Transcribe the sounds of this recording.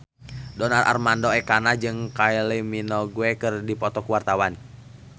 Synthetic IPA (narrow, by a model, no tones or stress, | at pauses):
dɔnarʔa̰rmandɔɛkanad͡ʒɨŋkailiminɔɡuɛkɨrdipɔt̪ɔkuwart̪awan